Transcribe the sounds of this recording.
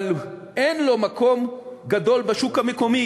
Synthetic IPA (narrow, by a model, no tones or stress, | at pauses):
lʔenlo̞mako̞mɡad̪o̞lbeʃukhameko̞mi